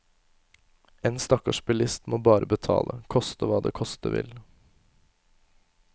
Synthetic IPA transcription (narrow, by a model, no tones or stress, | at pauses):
eːnst̪ɑkɑʃpɪlɪst̪moːbɑːɾəbət̪ʰɑ̰ːlʔəkʰɔst̪əʋɑːd̪ḛːkʰɔst̪əʋɪ̰l